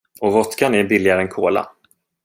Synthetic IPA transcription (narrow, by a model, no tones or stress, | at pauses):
ɔvɔt̪kanæɾbɪlːɪɡaɾəɛnkʰoːla̰